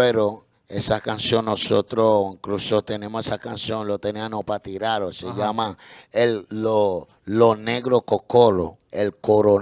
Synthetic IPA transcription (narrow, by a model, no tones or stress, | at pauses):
eɾo | esakansjo̞nnːosot̪ɾoŋkɾusot̪e̞nẽ̞mohesahkansjoŋlot̪eneanopat̪iɾaɾoseʝamaello | lone̞ɣɾokokoɾo̰elkoɾo